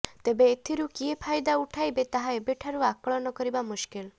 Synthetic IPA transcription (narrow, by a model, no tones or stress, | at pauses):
t̪ebeːt̪ʰiɾukiepʰajd̪auʈʰajbet̪aɦaebeʈʰaɾuakɔɭɔnɔkɔɾibamuʃkil